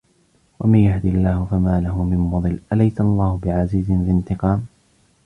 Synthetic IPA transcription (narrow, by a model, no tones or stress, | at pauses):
wa̰manjahd̪ialːaːhʊfamaːlaɦʊmɪmmʊd̪ˤɨlːʔalajt̪ʔalˤːɑːhʊbɪʕaziːzɪnlɪnt̪ɪqɑːm